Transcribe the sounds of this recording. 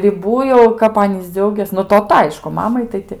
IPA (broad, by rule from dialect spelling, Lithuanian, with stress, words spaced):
rʲɪˈbuː jɛʊ kɐp ˈɑːnʲiːs ˈd͡zʲɛʊɡʲeːs nʊ toːˈtɐ ˈɐɪʃkʊ ˈmɑːmɐɪ tɐɪ ˈtʲɪ